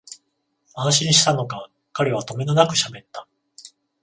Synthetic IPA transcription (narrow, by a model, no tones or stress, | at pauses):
ãnɕ̬ĩɲiɕi̥t̪ano̞ka | kaɾe̞β̞at̪o̞me̞nonakɯ̟̥ɕabe̞t̪ːḁ